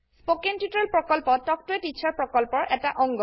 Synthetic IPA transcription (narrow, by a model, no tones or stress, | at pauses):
spokentjutɔɹɛlpɹɔkɔlpɔtːɔk̚tʊetit͡ʃʰaɹpɹɔkɔlpɔɹʔɛtaʔɔŋɡɔ